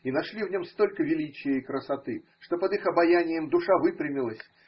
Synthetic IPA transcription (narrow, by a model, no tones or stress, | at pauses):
inɐʂlʲivnʲo̞mst̪o̞lʲkəvʲɪlʲit͡ɕɪjəikɾəsat̪ɨʂt̪o̞pəd̪ɨxɐbɐjanʲɪjəmd̪ʊʂavɨpɾʲɪmʲɪlˠəsʲ